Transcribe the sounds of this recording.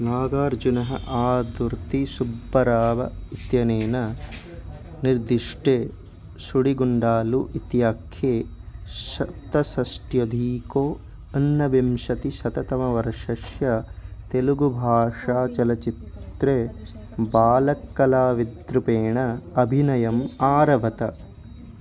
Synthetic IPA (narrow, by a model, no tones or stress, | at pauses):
naːɡaːɾd͡ʒunɐɦɐ̰ʔaːd̪uɾt̪isubːɐɾaːʋɐ̰it̪jɐneːnɐ | niɾd̪iʂʈeː | suɽiɡuɳɖaːluʔit̪jaːkʰjeːʃɐpt̪ːɐsɐsʈjod̪ʱiːkoː | ɐnːɐʋimʃɐt̪iʃɐt̪ɐt̪ɐmɐʋɐɾɐʃɐʃjɐt̪eluɡubʱaːʂaːt͡ʃɐlɐt͡ʃit̪ɾeː | baːlɐkːɐlaːʋid̪ɾupeːɳɐɐbʱinɐjɐmaːɾɐʋɐt̪ɐ